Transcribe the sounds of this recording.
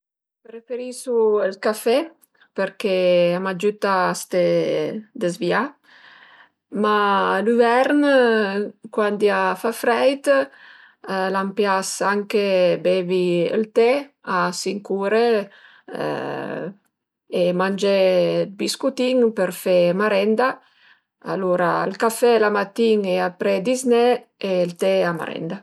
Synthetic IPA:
pɾefeɾisuəlkafe | peɾkeamad͡ʒut̪aːst̪e | d̪ezvia | malyvɛɾn | kwand̪iafafɾɛjt̪ | lampjasaŋkebeviə̰lt̪easiŋkuɾḛ | emand͡ʒelbiskut̪iŋpəɾfemaɾɛnd̪a | a̰loɾaelkafelamat̪iŋeapɾed̪izneelt̪eama̰ɾɛ̰nd̪a

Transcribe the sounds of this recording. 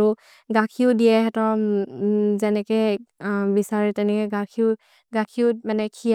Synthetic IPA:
u | ɡakʰiʊdijɛɦɛtɔ | zɛnɛkɛ | bisaɹɛtɛnɛkɛɡakʰiʊ | ɡakʰiumanɛkʰi

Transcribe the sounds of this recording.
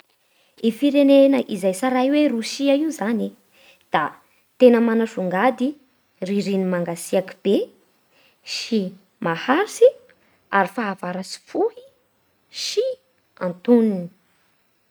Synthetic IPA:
ifiɾenenəʔizajsaɾajweruʃiaiuzani | d̪̥a | t̪enəmanafuŋɡad̪i | riɾinimaŋɡasiakib̥e | ʃi | mahaɾisi | aɾifaːvaɾasi̥fuhi | ʃi | a̰nt̪unini̥

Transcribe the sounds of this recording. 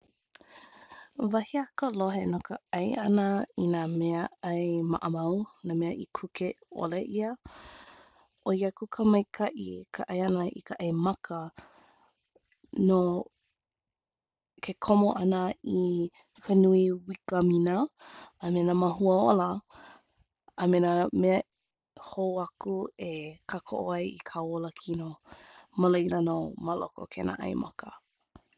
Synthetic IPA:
vɐhiɐkəloɦenokəɐjʔɐnəinaːmeəɐjma̰ʔəmɐwnaːmeɐʔikʰukʰeo̰leʔiə | ʔojakukʰəmɐjkʰɐʔikʰəʔɐjɐnəʔḭkəʔɐjmɐkʰə | no | kʰekʰomoʔɐnəi | fenuiwikəminəː | menamɐɦuəolɐ | mename | hoɐkuekʰakʰo̰ʔo̰ajḭkʰawoləkʰinoməlejlənomɐlo̰ko̰kʰenʔa̰ʔɐ̰jmʔɐ̰kʰə

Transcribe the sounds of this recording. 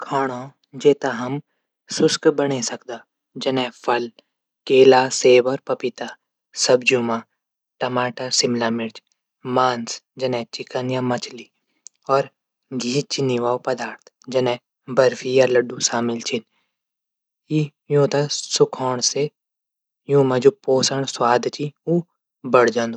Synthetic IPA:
kʰaːɽ̃õ | d͡ʒeːt̪aɦɐm | sʊskbɐɽ̃esɐkd̪aː | d͡ʒɐnɛpʰɐl | keːlaseːbɔːɾpɐpɪt̪aː | sɐb̚d͡ʒumaː | ʈɐmaːʈasɪmlaːmɪɾd͡ʒ | mãːnsd͡ʒɐnɛ̃t͡ʃɪkənjamɐt͡ʃli | ɔːɾ | ɡʱiːt͡ʃiniʋaːopɐd̪aːɾt̪ʰ | d͡ʒɐnɛ̃ | bɐɾfijalɐɖusaːmɪlt͡ʃʰɪn | i | jõːt̪asʊkʰɔːɽ̃se | jũːmɐd͡ʒupoːsəɳswaːd̪ʱt͡ʃiu | bɐɽd͡ʒə̃nd̪u

